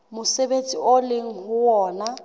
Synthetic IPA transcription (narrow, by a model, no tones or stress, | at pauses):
mʊsebet͡sʼiolɪŋ̩ɦʊwɔːna